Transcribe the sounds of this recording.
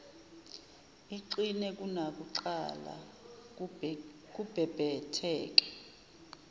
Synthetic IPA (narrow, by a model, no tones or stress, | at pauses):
iǀinɛk̬ʼunak̬uǀala̰ | k̬ub̥ʱɛb̥ʱɛtʰɛːk̬ɛ̥